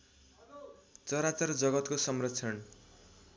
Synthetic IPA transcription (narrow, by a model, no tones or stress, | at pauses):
t͡sʌɾat͡sʌrd͡zʌɡʌt̪kosʌmrʌt͡sʰʌn